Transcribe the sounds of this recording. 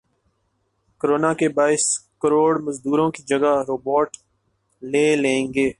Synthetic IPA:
kəɾoːnaːkebaːɪskəɾoːɽməzd̪uːɾõːkid͡ʒəɡaɾoːboːʈ | leːlẽːŋɡeː

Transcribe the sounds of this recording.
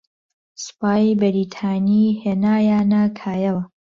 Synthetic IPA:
spaːjbɐɾiːt̪ʰaːniːheːnaːjaːnɐkʰaːjɐwɐ

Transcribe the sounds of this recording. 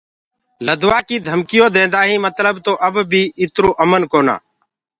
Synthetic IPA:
ləd̪ʋaːkiːd̪ʱəmkɪjõːd̪ẽːnd̪aːɦĩːmət̪ləbt̪oːʔəbbʱiːɪt̪ɾoːʔəmənkoːna̰ː

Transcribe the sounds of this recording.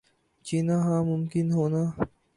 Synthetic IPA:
t͡ʃiːnaɦãːmʊmkɪnɦoːnaː

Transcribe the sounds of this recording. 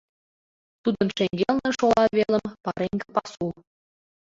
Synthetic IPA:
t̪ud̪ɤ̆nʃeŋɡelnĕʃolˠɑβelə̆mpɑɾeŋɡəpɑsul

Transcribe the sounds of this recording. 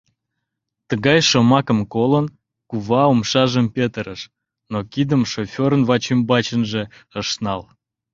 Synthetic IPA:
t̪əɣɑjʃomɑkəmkolən | kuβɑumʃɑʒəmpʲet̪əɾəʃ | nokid̪əmʃofʲoɾənvɑt͡ɕimbɑt͡ɕənʒeəʃnɑl

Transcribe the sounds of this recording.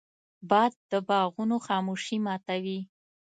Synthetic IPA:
bɑd̪̚ːəbɑɣunoxɑmuʃimɑt̪awi

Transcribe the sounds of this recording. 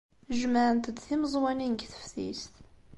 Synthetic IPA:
ʒməʕənt̪əd̪θiməzˤwæninɡθə̥fθḭst̪

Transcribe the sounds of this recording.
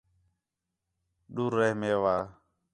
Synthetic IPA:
ɗuɾɛhmɛwa

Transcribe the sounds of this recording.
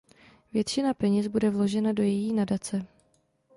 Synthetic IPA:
vjɛt̪t͡ʃɪnapɛɲɛsbudɛvlo̞ʒɛnado̞jɛjiːnadat͡sɛ

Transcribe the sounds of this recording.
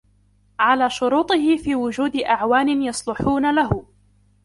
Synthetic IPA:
ʕalaːʃʊɾuːt̪ˤɨɦɪfiːwʊd͡ʒuːd̪ɪʔaʕwaːnɪnjɑsˤlʊħuːnalaɦʊ

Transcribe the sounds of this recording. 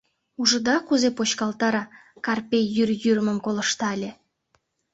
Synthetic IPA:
uʒə̆d̪ɑkuzepot͡ɕkɑlt̪ɑɾɑkɑrpʲejːyrjyrmə̆mkolə̆ʃt̪ɑlʲĕ

